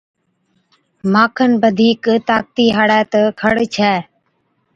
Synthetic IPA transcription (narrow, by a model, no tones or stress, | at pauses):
maːkʰənbəd̪ʱiːkt̪aːk̚t̪iːɦaɽɛːt̪əkʰəɽt͡ʃʰɛː